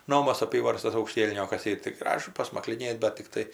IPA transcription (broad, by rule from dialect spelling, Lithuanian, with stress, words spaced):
ˈnoːmɐs ɐˈpʲiːʋɐrstɐs ɐʊkˈʃʲtʲiɛlʲnʲoːkɐs tɐɪ tʲɪ ˈɡrɑːʒʊ pɐsmɐklʲɪˈnʲeːt bɐt tʲɪkˈtɐɪ